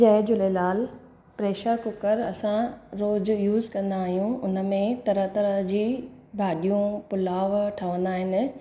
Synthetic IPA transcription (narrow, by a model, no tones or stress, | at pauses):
d͡ʑɐːɪd͡ʑʊlelaːl | pɾeːʃəɾkʊkəɾɐsãɾoːd͡ʑjuːzkɐ̃nd̪aːɦijũʊnəmẽt̪ɐɾət̪ɐɾəɦd͡ʑiː | bʱaːɗijũpʊlaːʋʈʰəʋə̃nd̪aːɦɪnɪ̆